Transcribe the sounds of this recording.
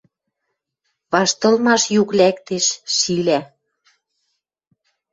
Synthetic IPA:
βɑʃt̪ɤ̆lmɑʃjuklækt̪eʃːilæ

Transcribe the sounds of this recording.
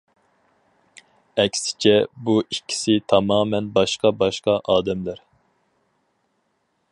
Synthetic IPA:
ɛkʲsɪ̥t͡ʃʰɛbuikʲʰːi̥sɪt̪ʰɑmɑːmɛnbɑʃqɑbɑʃqɑʔɑːd̪ɛmlæɾ

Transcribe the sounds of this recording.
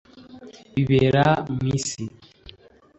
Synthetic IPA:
iβeɾamisi

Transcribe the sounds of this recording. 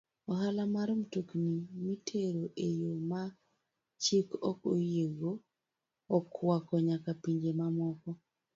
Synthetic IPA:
ɔɦalamaɾomtuknimitʰeɾoʔejoma | t͡ʃikɔkojeɡoː | kwakɔɲakapiɲd͡ʒemamɔkɔ

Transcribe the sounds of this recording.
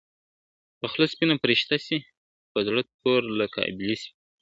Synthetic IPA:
pəxlospinapɾiʃt̪asi | pəzɽat̪̚poɾləka̰blisi̥

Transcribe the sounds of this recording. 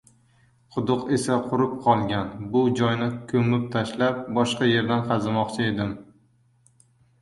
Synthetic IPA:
qʰʊd̪ʊqe̞saqʰʊɾɪp̚qʰɒlˠɡʲanbʊd͡ʒɒjnɪkʲʰɵmɪp̚t̪ʰaʃlap̚bɒʃqɑje̞ɾd̪anqʰɑzɪmɒqt͡ʃʰɪe̞d̪ɪm

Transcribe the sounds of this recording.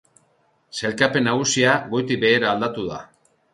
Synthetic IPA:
se̞lkape̞nːaɣ̞usiaɣo̞jt̪ibe̞ːɾaːld̪at̪uða̰

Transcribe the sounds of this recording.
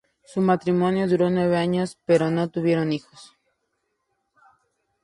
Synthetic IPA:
sumat̪ɾimo̞njo̞ðuɾo̞nwe̞βeaɲo̞spe̞ɾo̞no̞t̪uβje̞ɾo̞nixo̥s

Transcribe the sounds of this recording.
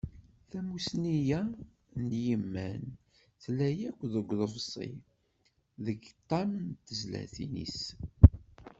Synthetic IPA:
θæmusnijæ | njəmːæn | θlæjækʷːðəɡʷːðəvsˤḭ | ðəɡt̪ˤːɑmənt̪ːəzlæ̰θḭnḭs

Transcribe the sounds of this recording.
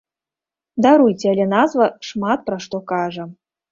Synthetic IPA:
d̪aɾujt͡sʲɛalʲɛnazvɐʂmat̪̚pɾaʂt̪ɔkaʐɐ

